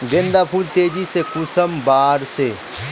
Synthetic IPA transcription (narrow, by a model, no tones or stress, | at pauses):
ɡẽnd̪apʰuːlt̪eːd͡ʒisekʊsəmbaːɾse